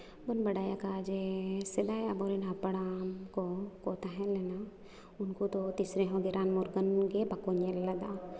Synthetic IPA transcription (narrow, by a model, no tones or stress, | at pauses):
bənbɐɽaːjakad͡ʒesed̪aːjabɔːɾinapɐɽamkokoːt̪aɦɛ̃lena | ʊnkut̪ot̪isɾẽɦõɡeɾaːnmɔɾɡənɡebakonelɐd̪a